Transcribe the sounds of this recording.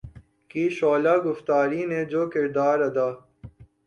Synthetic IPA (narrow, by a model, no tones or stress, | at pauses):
kiːʃoːlaːɡʊft̪aːɾiːned͡ʒoːkɪɾd̪aːɾɐd̪aː